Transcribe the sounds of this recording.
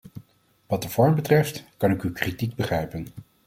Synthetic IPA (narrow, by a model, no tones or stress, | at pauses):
ʋɑt̚dəv̥ɔɹmbətrɛftkɑnɪkykritiɡ̚bəχrɛjpən